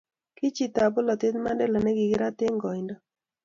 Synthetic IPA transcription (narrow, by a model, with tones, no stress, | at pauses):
ki˦t͡ʃi˦t̪a˨bʊ˦lɔ˨t̪ɪ˦t̪ma˦ndɛ˦lɔ˨nɛ˦ɡɪ˨ɡɪ˦ɾa˦t̪ɪ˦ŋɡɔ˨ɪndɔ˦